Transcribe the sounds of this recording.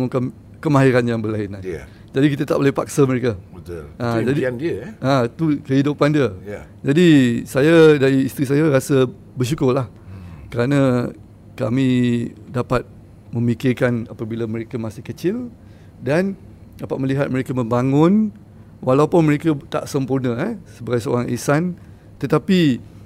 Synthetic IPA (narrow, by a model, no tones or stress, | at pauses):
mukan | kəmaɦiɾanjaŋbəlaɪna | d͡ʒadikit̪at̪aʔbolɛhpak̚saməɾekabət̪ʊlãd͡ʒadindiəãt̪ukəɦidupandiə | d͡ʒadisajadaɾiːst̪ɾis̬ajaɾasə | bərʃ̬ukʊrlahkəɾanã | kamĩdapat̪̚ | mə̃mikɪrkanapabilaməɾekamasɪhkət͡ʃɪl | dan | dapat̪̚məliɦat̪̚məɾekaməmbaŋʊn | wʔalawpʊnməɾekat̪a̰ʔsəmpurnə̃ɛsəbaɡajsəo̰ɾaŋʔisan | t̪ət̪api